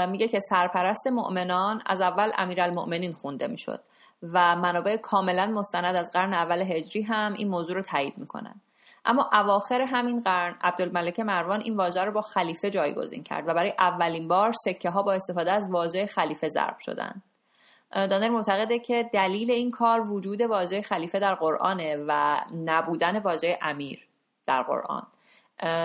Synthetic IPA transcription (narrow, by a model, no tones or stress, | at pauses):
miːɟe̞cʰe̞sæɾpʰæɾæst̪e̞mo̰ʔme̞nɒnæ̰zævːælʔæ̰miːɾælmo̰ʔme̞niːnxund̪e̞mḭːʃo̰d̪̥̚ | væmænɒːbe̞ʔekʰɒːme̞lænmo̞st̪ænæd̪æzɢæɾneævːæleɦe̞d͡ʒɾiːɦæmʔḭnmoːzuːɾot̪ʰæːjiːd̪miːkʰo̰næ̰nd̪̥ | ʔæ̰mːɒːʔævɒːxe̞ɾeɦæminɢæɾnæ̰b̚d̪olmælecʰe̞mæɾvɒːnʔiːnvɒːʒæɾobɒːxæliːfe̞d͡ʒɒːjɡo̞̰zḭːncʰæ̰ɾd̪væbæɾːjeʔævːæliːnbɒːɾse̞cʰːeɦɒːbɒːe̞st̪e̞fɒːd̪eæzvɒːʒejexæliːfe̞zæ̰ɾb̥ʃo̞̰d̪æ̰nd̪ | d̪ɒːneɾmo̞ʔt̪ʰæɣe̞d̪ecʰe̞d̪æliːle̞iːnkʰɒːɾvod͡ʒuːd̪e̞vɒːʒejexæliːfe̞d̪æɾɢo̞ɾʔɒ̰ːnevænæbuːd̪æne̞vɒːʒejeʔæmiːɾ | d̪̥æɾɢo̰ɾʔɒ̰ːn